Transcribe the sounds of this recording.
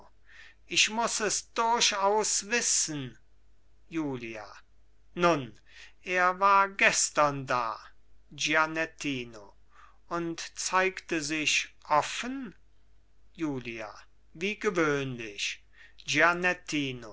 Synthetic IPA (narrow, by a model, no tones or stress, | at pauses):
ʔɪʃmʊsɛsd̥ʊɐɕaʊsv̥ɪsən | juːlia̰ | nʊn | ʔeːɐvaːɐɡɛstɐnda̰ː | d͡ʒianɛtʰiːno | ʊntt͡saɪktəzɪʃʔɔfən | juːlia̰ | viːɡəvøːnlɪʃ | ʒianɛtʰiːno